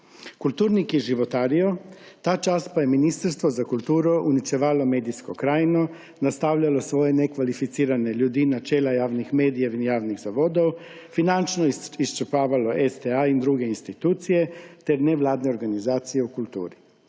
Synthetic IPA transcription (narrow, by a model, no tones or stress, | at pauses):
kulʲt̪uːɾnikjiʒiʋot̪aːɾiot̪aːt͡ʃaːst̪pajeminist̪aɾst̪ʋozakulˠt̪uːɾuʔunit͡ʃ̪eʋaːlomeːd̪isko̰kɾaːjno | nast̪awʎalosʋojenekʋalifit̪siːɾaneʎuːd̪inat͡ʃeːlajaːʋnixmeːd̪ijainjaːʋniɣzaʋod̪ow | finant͡ʃnoist͡ʃɛpaːʋaloʔest̪eaind̪ɾuɡeinst̪it̪uːt̪sijet̪eɾneʋlaːd̪neo̞ɾɡanizaːt̪sijeukulʲt̪ṵːɾi